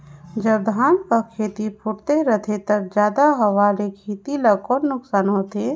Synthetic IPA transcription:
d͡ʒəb̚d̪ʱaːnkakʰeːt̪ipʰʊʈt̪eɾət̪ʰet̪ək̚d͡ʒjaːd̪aɦɐʋaːlekʰiːt̪iləkɔːnnʊksaːnɦot̪ʰeː

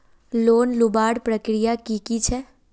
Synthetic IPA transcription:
loːnlubaːɽpɾəkɾijakikit͡ʃʰɛ

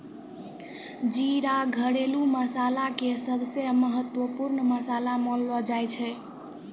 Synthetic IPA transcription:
d͡ʒiɾaɡʱəɽeluməsalakesəbseməɦət̪wəpuɾnəməsalamɔlʋɔd͡ʒajt͡ʃʰɛ

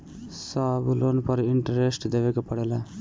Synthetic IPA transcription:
sablonpəɾiɳʈɐɾesʈd̪eʋekepəɽela

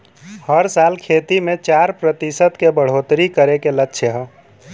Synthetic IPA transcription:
həɾsalkʰet̪imẽt͡ʃaɾpɾət̪isət̪kebəɽ̤ot̪ɾikəɾekelətːʃʰeɦə

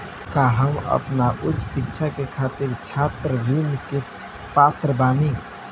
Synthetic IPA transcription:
kaɦəmə̰pnaʔʊtːsɪkt͡ʃʰakekʰaːt̪ɪɾt͡ʃʰaːt̪ɾəɾiːmke | paːt̪ɾəbaːni

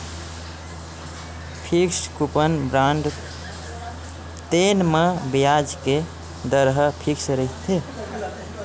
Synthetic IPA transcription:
pʰikskupənbɾaɳɖ | t̪enmebijad͡ʒke | d̪əɾɦəpʰiksɾəɦit̪ʰe

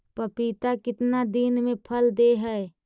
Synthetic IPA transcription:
pəpit̪akɪt̪nad̪inmẽpʰəld̪eɦɛe

